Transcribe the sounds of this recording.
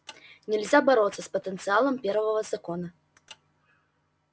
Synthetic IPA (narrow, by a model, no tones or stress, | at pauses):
nʲɛlʲzʲabaɾɔt̪sːɐspɐt̪ənt̪sɨalˠɐmpʲɛɾvɐvɐzakɔnɐ